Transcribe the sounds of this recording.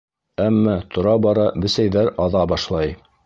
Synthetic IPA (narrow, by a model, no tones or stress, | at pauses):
æmːɑt̪ʰŏɾɑbɑɾɑbɘ̆sæjðæɾɑðɑbɑʃlˠɑj